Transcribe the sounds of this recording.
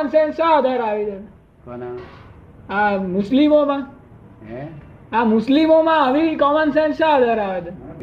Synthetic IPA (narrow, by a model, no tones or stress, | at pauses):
ənsẽnsʃə̃ɦəd̪ʱaɾaʋid͡ʒe | amʊslimomã | amʊslimomãəʋikɔmənsẽnsʃə̃ɦəd̪ʱaɾaʋed͡ʒ̪e